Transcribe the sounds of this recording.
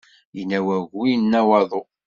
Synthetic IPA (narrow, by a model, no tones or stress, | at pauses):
jənæwæʝujənːæwɑðˤo